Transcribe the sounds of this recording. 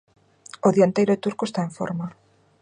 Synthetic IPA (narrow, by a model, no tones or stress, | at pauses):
oðiant̪ejɾʊt̪uɾkoest̪aẽɱfo̰ɾma